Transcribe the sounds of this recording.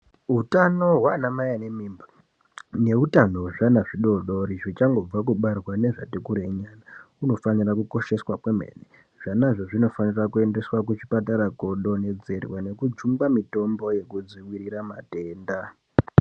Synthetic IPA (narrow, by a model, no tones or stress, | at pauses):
ɦutanoɦwanamajane̞miːmbḁ | ne̞utanoʐanaʐiɗo̞ɗo̞ɾiʐit͡ʃaŋɡo̞b͡vak̬uɓarwane̞ʐatikuɾe̞ɲana | uno̞fanirakuko̞ʃe̞swakwemḛːne | ʐ̥anaʐoʐino̞fanirakue̞nde̞swak̬ut͡ʃi̥pataɾako̞ɗo̞ne̞d͡ze̞rwane̞kud͡ʒumbamito̞mbo̞je̞kud͡ziwiɾiɾamateːnda